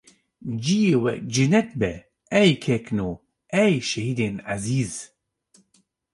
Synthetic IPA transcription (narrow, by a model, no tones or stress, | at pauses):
d͡ʒijewɛ̰kd͡ʒɪnɛt̪bɛ | ɛjkʰɛkno | ʔɛjʃɛhid̪enʕaziːz